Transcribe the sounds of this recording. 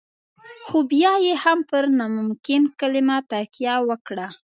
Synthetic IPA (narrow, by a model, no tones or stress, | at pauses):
xobjɑjehampəɾnɑmʊmkɪnkəlɪmat̪akjɑwəkɽa